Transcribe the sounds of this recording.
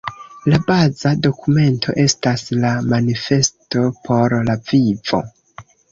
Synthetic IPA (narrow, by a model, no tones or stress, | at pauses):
labazado̞kume̞ntʰo̞̰ʔe̞staslamanife̞sto̞pʰo̞ɾlavivo̞̰